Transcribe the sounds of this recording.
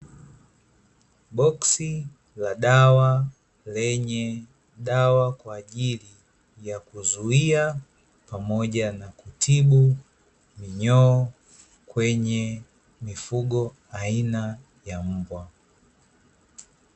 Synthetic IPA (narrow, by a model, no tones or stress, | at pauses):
ɓɔksi | laɗawa | lɛɲɛ | ɗawakwaːʄili | jakuzuia | pamɔʄanakutʰiɓu | miɲɔː | kwɛɲɛ | mifuɠɔ | aina | jam̩bwa